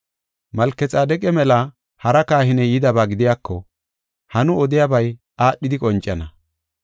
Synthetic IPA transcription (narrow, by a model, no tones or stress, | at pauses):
mɐlkːɛt͡sʼaːd̪ɛkʼɛmɛlɐ | hɐɾɐkaːhɪnɛjɪd̪ɐbaːɡɪd̪ɪjaːkːɔ | hɐnʊɔd̪ɪjabɐj | aːɗːɪd̪ɪkʼɔnt͡ʃʼːɐnɐ